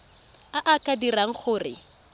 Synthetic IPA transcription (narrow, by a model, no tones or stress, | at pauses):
aʔakʼadiraŋ̩χʊːrɪ